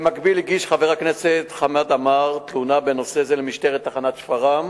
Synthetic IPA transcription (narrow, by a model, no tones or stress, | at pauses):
makbiliɡiʃχaveʁakneset̪χamad̪amaʁt̪lunabenosezelemiʃteʁet̪ːaχanat̪ʃfaʁam